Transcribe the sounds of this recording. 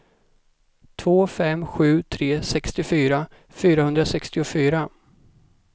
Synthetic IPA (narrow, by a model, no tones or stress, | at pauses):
t̪ʰvoːfɛmːɧʉ̟ːt̪ʰɾeːsɛkst̪ɪfyːɾa | fyːɾahɵnd̪ɾasɛkst̪ɪʊfyːɾa